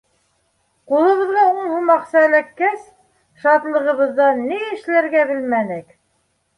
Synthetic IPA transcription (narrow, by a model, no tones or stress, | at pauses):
qulˠɤ̆βɤ̆ðʁɑuɴhumɑqsælækːæs | ʃɑt̪lˠɤ̆ʁɤ̆βɤ̆ðːɑniɘ̆ʃlæɾɡæβɘ̆lmænɘk